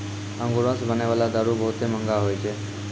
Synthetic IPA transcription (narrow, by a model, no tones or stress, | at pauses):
əŋɡuɾə̃sbəneʋalad̪aɾubəɦut̪eməŋɡaɦojt͡ʃʰe